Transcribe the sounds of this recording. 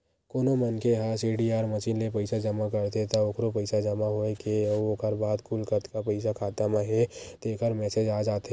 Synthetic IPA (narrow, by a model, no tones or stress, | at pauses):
koːnomɐnkeɦasiːɖiaːɾmɐʃiːnlepɐɪsad͡ʒɐmak̬ɐɾt̪et̪aoːkʰɾopɐɪsad͡ʒɐmaɦoekeʋokəɾbaːd̪kʰulkəɾt̪kapɐɪsakʰaːt̪amãɦɛt̪eːkʰəɾmɛːsed͡ʒaːd͡ʒaːt̪